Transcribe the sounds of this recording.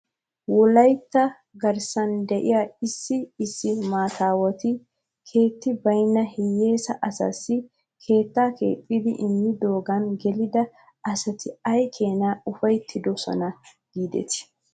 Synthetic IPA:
wɔlɐjt̪ːɐ | ɡɐɾsɐnd̪ɛʔɪ̰jaɪsːɪːsːɪmaːt̪aːwɔt̪ɪ | kʰe̞ːt̪ːɪbɐjnːɐhɪjːe̞ːsɐʔɐsɐ̰sːɪ | kʰe̞ːt̪ːaːkḛːtʼːɪd̪ɪ̰ʔɪmːɪd̪o̞ːɡɐnɡɛlɪd̪ɐ | ɐsɐt̪ɪɐjkʰe̞ːnaːʊfɐjt̪ʰːɪd̪ɔsɔ̰nɐ | ɡ̥iːd̪ɛ̰t̪ɪ̥

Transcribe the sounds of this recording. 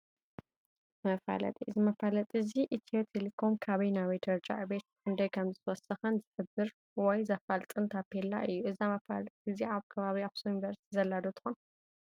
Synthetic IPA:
mɐfa̰lɐ̰t̪ʼiʔɨzimɐfalɐt̪ʼɨziʔit̪ʰiot̪ʰelikʰo̞mkʰaβɐjnaβed̪ʰɐɾd͡ʒa̰ʕbet̪̚ħɨnd̪ɐjkʰɐmzɨt̪wɔsɐxɨnzɨħɨbːɨɾ | wɔjzɐfalt̪ʼɨnt̪ʰapʰela̰ʔɨjːuɨzamɐfalt̪ʼɨziaβkʰɐβaβiaβsujunivɐɾst̪ʰizɐlːad̪ot̪ʰɨ̥xon

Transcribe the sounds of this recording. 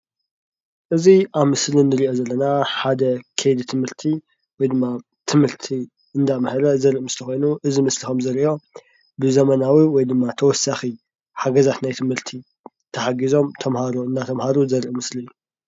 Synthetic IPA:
ʔɨziʔaβmɨslinɨɾiʔo̞zɐlːɐnaħad̪ɐkʰejd̪it̪ʰɨmhɨɾt̪ʰi | wɔjd̪ɨmːa | t̪ʰɨmhɨɾt̪ʰi | ɨnd̪amhɐɾɐzɐɾʔɨmɨslʰɐxo̞jnuʔɨzimɨslixomzɐɾiʔo̞ | bɨzɐmɐnawiwɔjd̪ɨmːat̪ʰɐwɔsaxi | ħaɡɐzat̪najt̪ʰɨmhɨɾt̪ʰi | t̪ʰɐħaɡizo̞mt̪ʰɐmhaɾoɨnːat̪ʰɐmhaɾuzɐɾʔmɨsliɨːu

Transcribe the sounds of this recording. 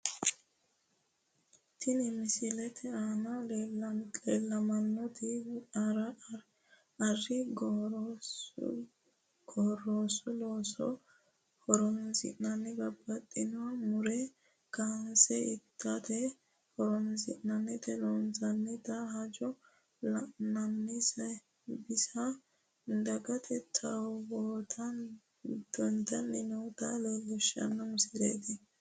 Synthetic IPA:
t̪ʰɪnɪmɪsɪlɛt̪ʰɛaːnɐ | eːlːɐmɐnːɔt̪ɪɐɾɐ | ɐrːɪɡ | ɡɔrːoːsɔlosɔ̰ | hɔɾɔnzɪ̰ʔnɐnːɪbɐbːɐt̪ʼːɪnɔmʊɾɛ | kansɛɪt̪ʰːɐt̪ɛ | hɔɾɔnzɪ̰ʔnɐnːɪt̪ɛlonzɐnːɪt̪ɐhɐd͡ʒɔ | lɐʔnɐnːɪsɐ | bɪsɐ | d̪ɐɡɐt̪ʰɛt̪ʰːɐwboːt̪ʰɐn | d̪̥ɔnt̪ɐnːɛnɔt̪ɐlɛlɛʃɐ̰nːɔmʊsɪɾḛːt̪ɪ

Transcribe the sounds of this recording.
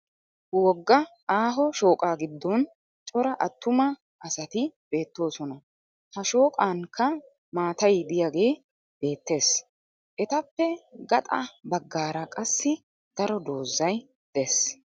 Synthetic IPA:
wɔɡːɐ | aːɦɔʃo̞ːkʼaːɡɪd̪ːɔn | t͡ʃʼɔɾɐʔɐt̪ːʊmɐ | ʔɐsɐt̪ɪb̥e̞ːt̪ːo̞ːsɔnɐ | hɐʃo̞ːkʼaːŋkʰːɐ | maːt̪ɐjd̪ɪjaɡe̞ː | b̥e̞ːt̪ːe̞ːs | ʔɛt̪ɐpːɛɡɐt̪ʼɐ̰bɐɡːaːɾɐkʼɐsːɪ | d̪̥ɐɾɔd̪o̞ːzːɐj | d̪̥ɛs

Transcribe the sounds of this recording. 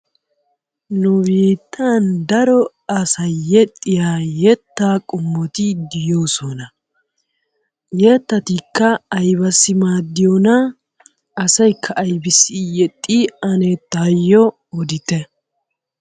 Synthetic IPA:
nʊbiːt̪ʰːand̪ɐɾɔ | ɐsɐjjɛt̪ʼːɪjaːjɛt̪ːaːkʼʊmːɔt̪ɪd̪ɪjoːsɔnɐ | jɛt̪ːɐt̪ikːɐːjbɐsːɪmaːd̪ːɪjonɐ | ɐsɐjkʰːɐʔːjbɪsːɪjɛt̪ʼːiɐnɛt̪ːaːjːɔ | ɔd̪ɪt̪ɛ

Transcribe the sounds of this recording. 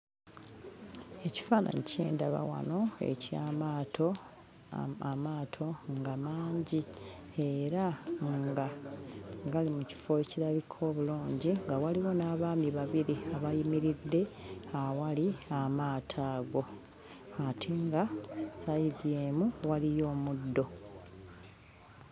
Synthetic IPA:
e̞ci̥faːna̰ɲicḛːnda̰βa̰wa̰no̞ḛcaːmaːtʰo | aːtʰo̞ŋɡamaːɲɟie̞ɾaŋɡa | ɡalimuci̥fo̞eciɾaβikʰo̞ːβuluːɲɟiŋɡawaliwo̞naːβaːmiβaβiɾiaβajimiɾidːe̞awaliamaːtʰaːɡo̞ | atʰiŋɡasaiðjeːmuwalijo̞ːmudːo̞

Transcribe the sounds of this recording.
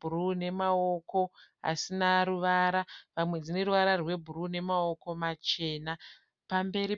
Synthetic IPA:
urune̞mao̞ko̞ɦa̰sinaɾuʋaɾaʋamwe̞d͡zine̞ɾuʋaɾarwe̞bʱuruːne̞mao̞ko̞mat͡ʃe̞ːna | pambe̞ɾi

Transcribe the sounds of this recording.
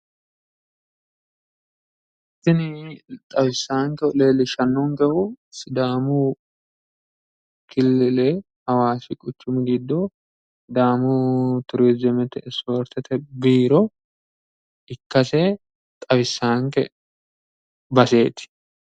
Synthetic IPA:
ʔ | ɪt̪ːɪnɪt̪ʼɐwɪsːaːŋkɛɔleːlːɪʃɐnːʊŋɡɛhʊsɪd̪aːmʊ | kʰɪlːɛlɛ | hɐwaːsɪkʼʊt͡ʃːʊmɪɡɪd̪ːɔ | d̪aːmʊt̪ʊɾiːd͡ʒɛmɛt̪ɛ̰ʔsoɾt̪ɛt̪ʰɛbiːɾɔ | ɪkːɐsɛ | t̪ʼɐwɪsːaːŋkɛ̰ | bɐse̞ːt̪ɪ̥

